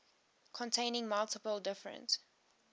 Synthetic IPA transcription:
kʰɔ̃ntʰẽɪ̃nɪ̃ŋmʌlˠtɪpəlˠdɪfɹə̰̃ns

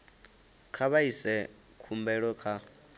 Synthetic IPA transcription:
kʰaβaisɛ | kʰumbɛɺɔkʰa

